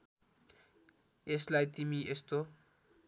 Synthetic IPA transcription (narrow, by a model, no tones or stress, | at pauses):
eslajt̪imiʔest̪o